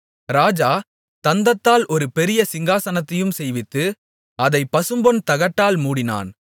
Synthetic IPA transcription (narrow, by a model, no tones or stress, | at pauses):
ɾaːd͡ʒaː | t̪ɐnd̪ɐt̪ːaːlʔɔɾɯpɛɾɪjɐsɪŋɡaːsɐnɐt̪ːɐjɯmsɛjʋɪt̪ːɯ | ɐðɐɪpːɐsɯmbɔnt̪ɐɣɐʈːaːlmuːɽɪna̰ːn